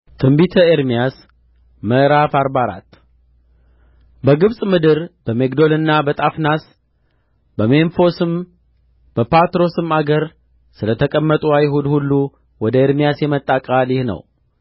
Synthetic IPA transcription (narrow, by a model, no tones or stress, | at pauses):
t̪ʰɨmbit̪ʰəeɾmijas | məʔɾafaɾbaɾa̰t̪ː | bəɡɨβsʼmɨd̪ɨɾb̥əme̞kd̪o̞lɨnːabət̪ʼafnas | bəmeɱfo̞sɨm | b̥əpʰat̪ɾo̞sɨmaɡəɾ | sɨlət̪ʰəkʼəmːət̪ʼuajɦud̪hulːu | wɔd̪əeɾmijasjɛmət̪ʼːakʼalɪhnə̰w